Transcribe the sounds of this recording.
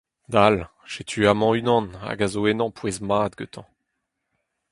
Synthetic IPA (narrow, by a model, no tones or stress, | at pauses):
d̪al | ʃet̪ʰyamɑ̃ynɑ̃na̰ɡazoenɑ̃pʰwezmaːd̪ɡøt̪ʰɑ̃